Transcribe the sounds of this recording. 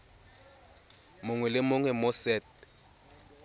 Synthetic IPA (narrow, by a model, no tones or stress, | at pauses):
mʊŋwɛlɪmʊŋwɛmʊsɛt̚